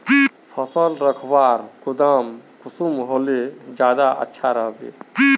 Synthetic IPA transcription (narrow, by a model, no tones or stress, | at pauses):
pʰɔsɔlɾəkʰbaɾkʊd̪amkʊsumɦoled͡ʒjaːd̪aʔə̰tːʃʰaɾəɦbḛ